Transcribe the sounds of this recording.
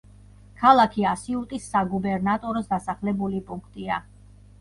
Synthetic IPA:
kʰalˠakʰiasiut̪ʼisːaɡubɛɾnat̪ʼɔɾɔsd̪asaχlɛbulipʼuŋkʰt̪ʼia̰

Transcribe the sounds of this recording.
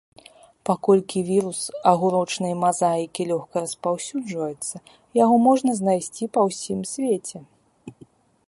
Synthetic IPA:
pakɔlʲkʲivʲiɾusɐɣuɾɔt͡ʂnɐjmazajkʲilʲɔxkɐɾɐspawsʲud͡ʐvɐjɛt̪sːɐ | jaɣɔmɔʐnɐznajsʲt͡sʲipɐwsʲimsʲvʲet͡sʲɛ

